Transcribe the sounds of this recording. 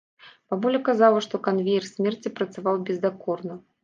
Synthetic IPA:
pabulʲɛkazalˠɐʂt̪ɔkanvʲejɛrsʲmʲɛrt͡sʲipɾɐt̪savawbʲɛzd̪akɔrnɐ

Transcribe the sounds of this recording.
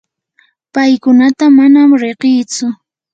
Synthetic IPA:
pajkʊnat̪amanamɾeɢɪjt͡sʊ

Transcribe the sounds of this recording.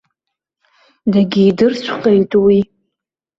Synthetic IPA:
daɡʲiːdɨrt͡ɕʷʰqʼejtʼwi

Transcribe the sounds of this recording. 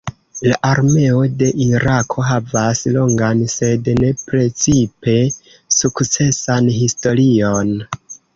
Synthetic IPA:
laʔaɾme̞o̞de̞ʔiɾakʰo̞ɦavaslo̞ŋɡanse̞dne̞pɾe̞t͡sipe̞ | sukt͡se̞sanɦisto̞ɾio̞n

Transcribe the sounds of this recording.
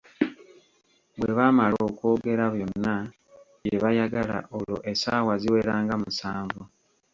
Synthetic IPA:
βwe̞βaːmaloːkwo̞ːɡe̞ɾaβjo̞nːa | je̞βajaɡala̰ʔolo̰ʔe̞saːwaziwe̞ɾaːŋɡamusaːɱvu

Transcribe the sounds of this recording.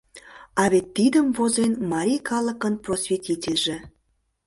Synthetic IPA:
ɑβet̪ːid̪əmvozenmɑɾʲijkɑlˠəkənprosvʲetʲitʲelʲʒe

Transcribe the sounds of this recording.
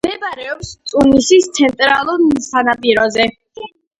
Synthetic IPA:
md̪ɛbaɾɛɔpst̪sʼunisist̪sʰɛnt̪ʼɾalˠuɾsanapʼiɾɔzɛ

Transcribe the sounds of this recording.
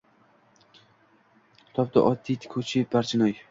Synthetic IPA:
t̪ʰɒp̚t̪a̰ʔɒd̪ːit̪ʰkʲʰot͡ʃʰibaɾt͡ʃʰɪnɒj

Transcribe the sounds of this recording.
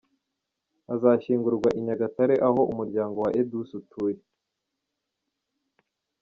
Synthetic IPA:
azaːʃiːŋɡuɾɡwaʔiɲaɡataɾe̞ʔaɦo̞ʔumuɾɟaːŋɡo̞waʔedusutʰuːje

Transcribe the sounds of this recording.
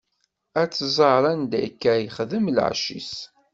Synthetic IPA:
æt͡sːzˤɑɾˤænd̪ækːæjəχðəml̰ʕʃḭs

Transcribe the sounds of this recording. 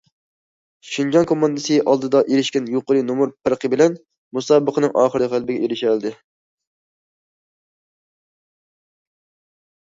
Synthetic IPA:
ʃind͡ʒɑnkʰomɑnd̪ɨsɨʔɑlˠd̪ɨd̪ɑʔeɾɪʃkʲɛnjoqəɾɨnomuɾpʰɨɾqʰəbɪlɛn | musɑːbəqʰənɨŋʔɑːχəɾɨʁælˠbɪɡʲɛʔeɾɪʃælˠd̪ɪ

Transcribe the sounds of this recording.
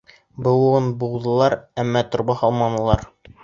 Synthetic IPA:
bɤ̆w̪ˠɤnbulˠd̪ɤ̆lˠɑɾæmːɑt̪ŏɾbɑhɑlˠmɑnɤ̆lˠɑɾ

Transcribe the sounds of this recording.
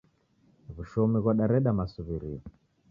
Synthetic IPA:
vuʃɔmiɣwaɗaɾɛɗamasuβiɾiɔ

